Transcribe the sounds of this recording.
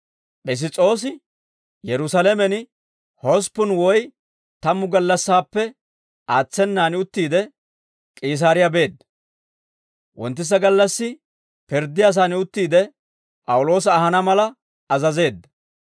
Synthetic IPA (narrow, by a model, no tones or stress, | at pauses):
ʔɛs̬ɪt͡sʼo̞ːs̬ɪ | jɛɾʊsɐlɛmɛnɪ | hɔs̬pːʊnwɔj | t̪ɐmːʊɡɐlːɐsːaːpːɛ | aːt͡sːɛnːaːnɪʊt̪ːiːd̪ɛ | kʼiːs̬aːɾɪjɐbe̞ːd̪ːɐ | wɔnt̪ːɪs̬ɐɡɐlːɐsːɪ | pɪɾd̪ːɪjas̬aːnɪʊt̪ːiːd̪ɛ | pʼɐwʊlo̞ːsɐːhɐnɐmɐlɐ | ɐzɐze̞ːd̪ːɐ